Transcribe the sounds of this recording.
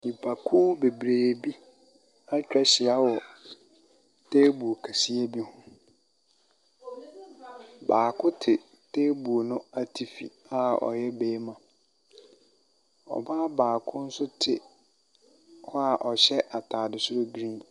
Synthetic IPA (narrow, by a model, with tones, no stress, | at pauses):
nĩ˨pʰa˨kʰuː˦be˨bɾeː˨bi˦ | a˦t͡ɕᶣɾɛ˦ɕɪ˨a˦wɔ˨ | tʰeː˦bu˨o˨kʰa˨si˦e˦bi˦hʊ̃˦ | baː˨kʰʊ˦tʰɪ˨ | tʰeː˦bu˨o˨nʊ̃˦a˦tʰi˦fḭ˨ | a˦ɔ̰˨jɛ˦beː˦mã˨ | ɔ̰˨baː˦baː˨kʰʊ̃˦n̩˦sʊ˦tʰɪ˦˨ | hɔ˦a˨ʔɔ˨ɕɛ˦ʔa˨tʰaː˨dɪ˨sʊ˦ɾo˦ɡɾĩ˦